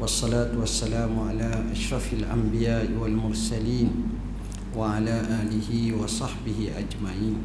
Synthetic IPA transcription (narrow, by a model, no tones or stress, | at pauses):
wɑsˤːɑlaːt̪wasːalaːmʕalaːʔaʃɾˤɑfalʔambɪjaːʔɪwalmʊɾˤsaliːn | waʕalaːʔaːlɪhɪwɑsˤɑħbɪhɪʔad͡ʒmaʕiːn